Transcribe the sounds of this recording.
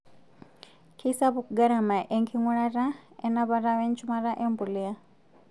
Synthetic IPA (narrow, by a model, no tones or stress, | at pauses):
kʰisaβuk̚ɡaɾamaʔɛŋkʰiŋuɺaɾaɛnaβaɾawɛnt͡ʃʰumaɾaʔɛmpulia